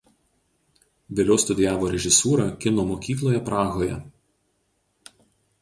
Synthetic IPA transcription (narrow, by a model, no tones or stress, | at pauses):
ʋʲeːlʲɛːst̪ʊd̪ʲɪjæːʋoːɾʲɛʒʲɪsuːɾɑkʲɪnoːmoːkʲiːklˠoːjɛpɾɑːɣoːjɛ̰